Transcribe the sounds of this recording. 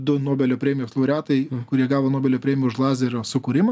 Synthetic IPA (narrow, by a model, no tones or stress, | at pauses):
d̪ʊnoːbʲɛlʲoːpʲɾʲeːmʲɪjoːslˠɐʊɾʲæːt̪ɐɪkʊɾʲiɛɡɑːʋoːnoːbʲɛlʲoːpʲɾʲeːmʲɪjʊʃlˠɑːzʲɛɾʲoːsʊkʊɾʲɪmɐ